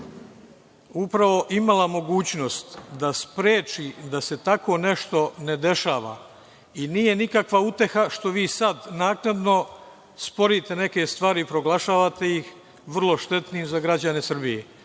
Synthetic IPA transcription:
upɾaʋo̞ʔimalamo̞ɡuːt͡ɕno̞st̪d̪aspɾeːt͡ʃid̪ase̞t̪ako̞ne̞ʃt̪o̞ne̞d̪e̞ʃaːʋa̰ | iniːje̞nikakʋaut̪e̞xaʃt̪o̞ʋiːsad̪naːknad̪no̞ | spo̞ɾit̪e̞ne̞ke̞st̪ʋaːɾipɾo̞ɡlˠaʃaːʋat̪e̞jix | ʋr̩lˠo̞ʃt̪e̞t̪niiːmzaɡɾad͡ʑane̞sr̩bijḛ

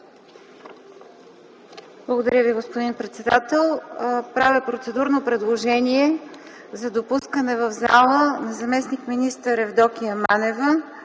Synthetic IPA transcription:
blˠəɡod̪ɐɾʲəviɡospod̪inpɾɛt̪sɛd̪at̪ɛlˠpɾavəpɾot̪sɛd̪uɾnopɾɛd̪lˠoʒɛniɛ | zɐd̪opuskənɛvəvza̰lˠənɐzɐmɛsnikminist̪əɾɛvd̪ɔkʲiəmanɛvə

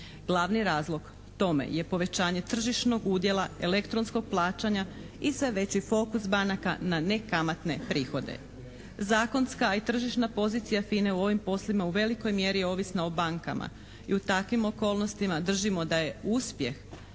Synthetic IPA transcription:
ɡ̥lˠaʋniɾaːzlˠo̞ɡ̥ | t̪o̞mḛje̞po̞ʋe̞t͡ɕaːɲe̞t̪r̩ʒiʃno̞ɡuːd̪je̞lˠae̞le̞kt̪ɾo̞nsko̞ɡ̥̚plˠaːt͡ɕaɲa | isʋe̞ʋe̞t͡ɕifo̞kusbanakanane̞kamat̪ne̞pɾiːxo̞d̪e̞̰ | zaːko̞nskait̪r̩ʒiʃnapo̞ziːt̪sijafineuo̞ʋimpo̞slimauʋe̞liko̞jmje̞ɾio̞ʋisnaobaŋka̰mʔa̰ | iut̪akʋimo̞ko̞ːlno̞st̪imad̪r̩ʒimo̞d̪aje̞uspje̞x

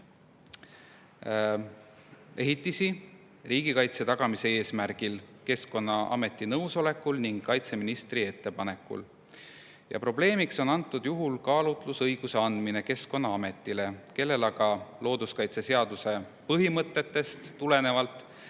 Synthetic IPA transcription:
e̞ɦit̪ːisi | riːɡ̥ikɑjt̪se̞t̪ɑɡ̥ɑmise̞e̞ːsmærɡ̥ilke̞sko̞nːɑɑ̰me̞t̪ːˑinɤwso̞le̞kːˑulniŋɡkːɑjt̪se̞minist̪rie̞t̪ːe̞pɑne̞kːˑṵl | jɑ̰pro̞ble̞ːmikso̞nɑnt̪ːˑud̪̥juɦulkɑːlut̪ˑlusɤjɡ̥use̞ɑnd̪mine̞ke̞sko̞nːɑɑme̞t̪ːˑile̞ke̞lːe̞lɑɡɑlo̞ːd̪uskɑjt̪se̞se̞ɑd̪̥use̞ | pɤɦimɤt̪ːˑe̞t̪ːe̞st̪tːule̞ne̞vɑlt̪ˑ

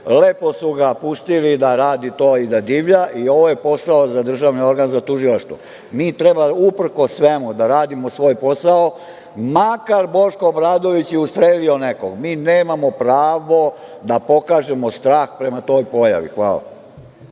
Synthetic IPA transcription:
leːpo̞smuɡapust̪ilid̪aɾaːd̪it̪o̞ːid̪ad̪iːʋʎaʔio̞ʋo̞je̞po̞saozad̪r̩ʒaʋnio̞ɾɡanzat̪uʒilaʃt̪ʋṵ | miːt̪ɾe̞baupr̩ko̞sːʋemud̪aɾaːd̪imosʋo̞ːjpo̞sao̞ | makaɾbo̞ʃko̞bɾaːd̪o̞ʋit͡ɕjeust̪ɾelio̞ne̞koɡmiːneːmamo̞pɾaːʋo̞d̪apo̞kaːʒe̞mo̞st̪ɾaːxpɾe̞mat̪o̞ːjpo̞ja̰ʋḭxʋaːla̰

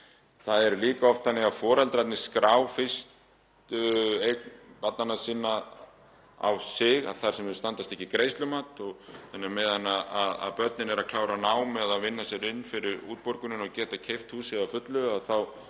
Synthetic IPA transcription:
θaðɛɾliːkaɔft̪θanːɪɣaðfɔːɾalt̪ɾat̪nɪskɾaːwfɪst̪ | ʏejkpat̪nanasiːnːa | a̰wsɪɣa̰ðθaɾ̥sɛmʏst̪ant̪ast̪ɛhcːɪkɾeːjst̪lʏmaːt̪ɔɣθanːamɛðanːaaða̰ðpœt̪nɪnɛɾakʰlaːwɾanaːwmɛðaðvɪnːasjɛɾɪnːfɪɾɪɾuːt̪̚pɔɾkʏnʏnacɛːt̪acʰejft̪huːsɪɣawfʏt̪lʏaðθaw

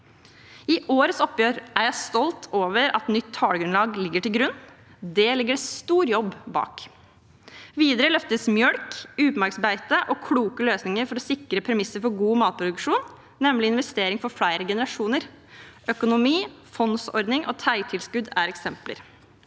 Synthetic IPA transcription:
ɪʔoːɾəsɔpːjøːɾʔæɾjæɪst̪ɔlt̪ʰoːʋəɾɑ̰t̪nʏt̪ʰːɑːɽɡɾʉnlɑːɡlɪɡːəʈɪlɡɾʉnː | d̪ɛlɪɡːəɖɛst̪uːɾjɔbːbɑ̰ːk | ʋiːd̪əɾəlœft̪əsmjœɽkʉːpmæɾksmbæɪt̪əʔɔkʰɽuːkəløːsnɪŋəɾfɔɾɔsɪkɾəpʰɾɛmɪsəɾfɔɾɡuːmɑːt̪̚pʰɾʊd̪ʉkʂuːnː | ɛmlɪɪnʋɛst̪eːɾɪŋfɔɾfɽæɪɾəɡɛnəɾɑʂuːnəɾ | ʔœkʊnʊmiː | fɔnsɔ̰ɾd̪nɪŋʔɔ̰ːt̪ʰæɪt̪ʰɪlskʉd̪æːɾɛksɛmplə̰ɾ

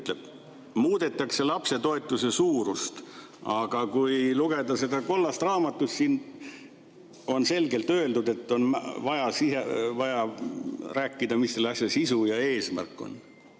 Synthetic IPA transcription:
yt̪leb̥̚ | muːd̪e̞t̪ːˑɑkse̞lɑpse̞t̪o̞et̪ːˑusesuːɾust̪ | ɑɡ̥ɑkujluɡ̥e̞d̪ɑse̞d̪ɑko̞lːɑst̪rɑːmɑt̪ːˑusʲsin | o̞nse̞lɡe̞lt̪ø̞e̞ld̪ud̪e̞t̪ːˑo̞nmvɑjɑsihḛvɑjɑ | ræːkːid̪̥ɑmisːelːeɑsʲjɑsisujɑe̞ːsmæ̰rkːˑo̞̰n

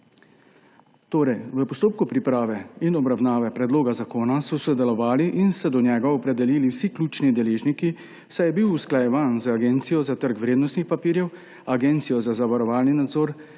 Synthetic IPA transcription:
t̪oːɾɛjʋəpɔst̪oːp̚kupɾipɾaːʋɛinɔbɾawnaːʋɛpɾɛd̪loːɡazakoːnasɔsɔd̪ɛlɔʋaːliʔinsɛd̪ɔnjɛːɡaɔpɾɛd̪ɛliːliwsikluːt͡ʃnid̪ɛleːʒniki | sajɛbiwusklajɛʋaːnzaɡent̪sijɔzat̪əɾkʋɾeːd̪nɔst̪nixpapiːɾjɛw | aɡent̪sijɔzazaʋaɾɔʋaːlninad̪zoːɾ

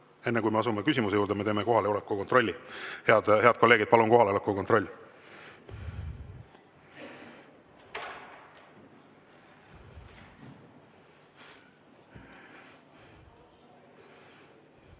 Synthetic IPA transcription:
e̞nːekujme̞ɑsumekys̬ʲimus̬ejuːɾd̪eme̞t̪eːmeko̞ɦɑleolekːˑukot̪ro̞lʲːiheɑd̪he̞ɑd̪̥̚ko̞lːeːɡid̪̚pɑlunko̞ɦɑleolekːuko̞t̪ro̞lʲː

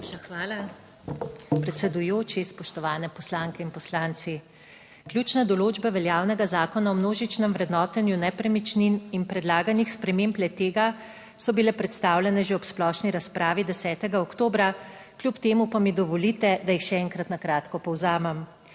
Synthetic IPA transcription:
pʃaxʋaːla | pɾɛt̪sɛd̪ujoːt͡ʃispɔʃt̪ɔʋaːnɛpɔslaːŋkɛinpɔslaːnt̪si | klʲjut͡ʃnad̪ɔloːd͡ʒbaʋɛljaːwnɛɡazaːkɔnaɔmnoːʒit͡ʃnɛmʋɾɛd̪nɔːt̪ənjunɛpɾɛmit͡ʃnininpɾɛd̪laːɡanixspɾɛmemplɛt̪ːeːɡa | sɔbilɛpɾɛt̪st̪aːwljɛnɛʒeɔpsplɔʃniɾaspɾaːʋid̪ɛsɛːt̪ɛɡaɔkt̪oːbɾa | klʲjupt̪eːmupamid̪ɔʋɔlit̪ɛd̪ajixʃɛɛŋkɾat̪nakɾaːt̪kɔpɔwzaːmɛm

